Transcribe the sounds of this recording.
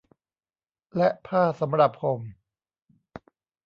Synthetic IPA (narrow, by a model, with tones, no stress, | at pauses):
lɛ˦˥ʔpʰaː˥˩sa˩˦mɾa˨˩p̚ho˨˩˦m